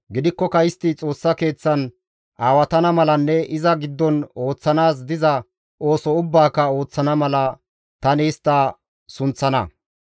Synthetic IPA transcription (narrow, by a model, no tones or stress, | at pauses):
ɡɪd̪ɪkːɔkɐjɪst̪ɪt͡sʼo̞ːsːɐke̞ːt͡sːɐn | aːwɐt̪ɐnɐmɐlɐnːɛɪzɐɡɪd̪ːɔno̞ːt͡sːɐnaːs̬d̪ɪzɐ | o̞ːsɔʊbːaːkːɐo̞ːt͡sːɐnɐmɐlɐ | t̪ɐniːst̪ːɐ | sʊnt͡sːɐnɐ̰